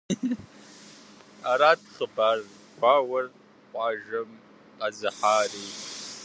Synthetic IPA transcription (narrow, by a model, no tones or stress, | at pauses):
aɾaːtʰχəbaːr | ɡʷaːwɐr | qʷʼɑːʒɐm | qʼɐzɨħaːriː